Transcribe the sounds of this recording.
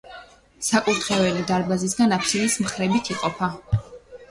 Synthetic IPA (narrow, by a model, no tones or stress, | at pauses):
sakʼut̪ʰχɛvɛlid̪aɾbazis̬ɡanapʰsinismχɾɛbit̪ʰiqʼɔpʰa